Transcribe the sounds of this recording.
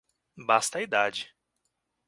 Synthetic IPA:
bast̪ɐid̪ad͡ʒɪ

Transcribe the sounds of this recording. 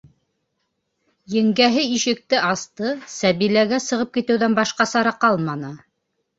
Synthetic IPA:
jɘ̆ŋɡæɦɘiʃɘ̆k̚t̪ɘʔɑst̪ɤsæβilæɡæsɤ̆ʁɤp̚kit̪ɘ̆wðænbɑʃqɑsɑɾɑqɑlˠmɑnɤ

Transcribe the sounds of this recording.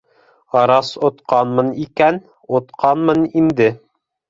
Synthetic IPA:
ɑɾɑsŏt̪qɑnmɤ̆nikæn | ŏt̪qɑnmɤnind̪ɘ

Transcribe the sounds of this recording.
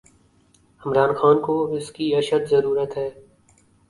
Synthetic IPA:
ɪmɾaːnxaːnkoɪskiɐʃət̪zɐɾuːɾət̪ɦɛː

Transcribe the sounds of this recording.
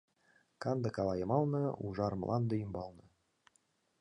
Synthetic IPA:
kɑnd̪ɤ̆kɑlˠɑjɤ̆mɑlˠnɤ̆uʒɑrmlʔɑ̰nd̪ɤjymbɑlˠnɤ̆

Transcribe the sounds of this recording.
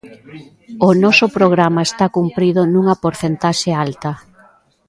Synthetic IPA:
ʊnɔsʊpɾoɣ̞ɾamɐest̪akumpɾiðʊnũŋɐpoɾθent̪aʃealt̪ɐ

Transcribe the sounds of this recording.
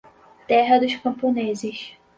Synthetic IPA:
t̪ɛɦɐd̪ʊʃkɐ̃mponezɪʃ

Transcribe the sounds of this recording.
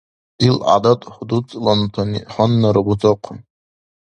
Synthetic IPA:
ilʔa̰datʼħʷdut͡sʼlantʰaniħʷanːaɾabut͡sʼaqʷʰʊn

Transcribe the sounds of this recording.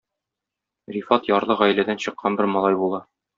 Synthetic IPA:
rifɑt̪jɒɾlˠɤʁæj̆læd̪ænɕɤ̆qːɑnbɘɾmɒlˠɑjbulˠɑ

